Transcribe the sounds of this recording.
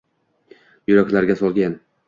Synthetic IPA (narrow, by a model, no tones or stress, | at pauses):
jʊɾakʲlaɾɡʲasɒlˠɡʲan